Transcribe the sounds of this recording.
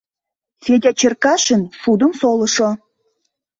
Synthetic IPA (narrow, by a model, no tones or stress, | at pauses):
sʲed̪ʲæt͡ɕərkɑʃə̆nsud̪ə̆msolɤ̆ʃo